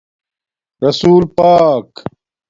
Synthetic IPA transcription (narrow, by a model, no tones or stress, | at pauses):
ɾɐsuːlpaːk